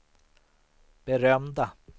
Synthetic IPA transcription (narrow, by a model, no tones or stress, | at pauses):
b̥ɛɾœmd̪a